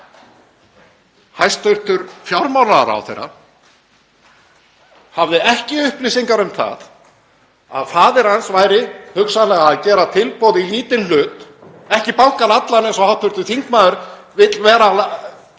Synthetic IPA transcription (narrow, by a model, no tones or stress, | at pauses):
hajst̪œɥɾ̥t̪ʏɾfjawɾmawnaða̰ɾa̰wθḛjɾa̰ | havðɪɛhcɪʏhplisiŋkaɾʏmθa̰ð | a̰ðfaːðɪɾ̥hansvaːjɾɪhʏksalɛɣacɛːɾat̪ʰɪlpowðɪliːt̪ɪnlʏːt̪ | ɛhcɪpawhkanat̪lanɛnsɔhawt̪ʰœɾt̪ʏθiŋkmaːðʏɾ̥ | vɪt̪lvɛːɾal